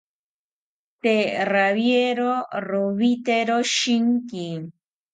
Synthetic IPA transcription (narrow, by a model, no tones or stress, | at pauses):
t̪eraβjeɾoroβit̪eɾoʃiŋki